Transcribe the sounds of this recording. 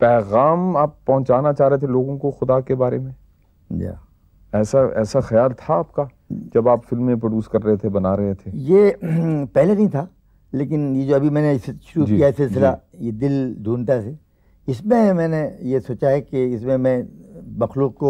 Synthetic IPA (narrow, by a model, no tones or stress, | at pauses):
pɛːɣaːmaːpːɐ̃ɦʊ̃t͡ʃaːnat͡ʃaːɦɾɐɦet̪ʰeloːɡõkoxʊd̪akebaːɾemẽ | d͡ʒa̰ | ɛːsaɛ̰ːsaxɐjaːlt̪ʰaaːp̚ka | d͡ʒɐbaːpfɪlmːẽpɾoɖuːskɐɾːɐɦet̪ʰebɐnaːɾɐɦet̪ʰeje | pɛɦlenɐɦĩt̪ʰaː | leːk̬ɪnjed͡ʒoːɐbʱimɛ̃ːneɪsʃʊɾud͡ʒiijaɪsɪlsɪlajed̪ɪld̪ʱuːnt̪̬aɛse | ɪsmẽmɛ̃ːnejesoːt͡ʃaɦɛkeɪsmẽmɛ̃mɐxluːq̚ko